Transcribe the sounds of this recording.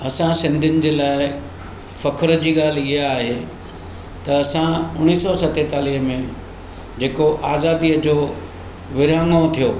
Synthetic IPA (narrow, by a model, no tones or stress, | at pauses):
ɐsãsɪ̃nd̪ʱɪnɪ̆d͡ʑeːlaːɪ | fɐkʰɾə̆d͡ʑiːɠaːl̤iɦaaːɦe | t̪ɐɐsãʊñiːsɔsɐt̪et̪aːliɦmẽ | d͡ʑeːkoʔaːzaːd̪iːəd͡ʑoː | ʋɪɾãːŋɡõt̪ʰijoː